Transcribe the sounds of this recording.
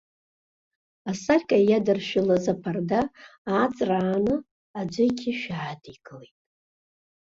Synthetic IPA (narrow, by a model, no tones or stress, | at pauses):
asarʲkʼajadɨrʃᶣɪlazapʰardaːt͡sʼraːnɨ | ad͡ʒʷɪkʲʰɪʃᶣaʕadiɡʼɨlejtʼ